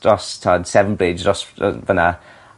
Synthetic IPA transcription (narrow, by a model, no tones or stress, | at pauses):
rɔstʰaːd̥sɛvənbleːzrɔsvəna